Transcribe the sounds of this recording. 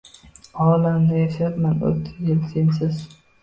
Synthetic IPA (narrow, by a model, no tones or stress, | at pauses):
ɒːlamnɪeʃat̪mano̰lt̪ʰːɪd̪elsensɪz